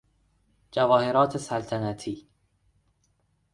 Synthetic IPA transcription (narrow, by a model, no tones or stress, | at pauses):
d͡ʒævɒːhe̞ɾɒːt̪ʰesælt̪ʰænæt̪ʰiː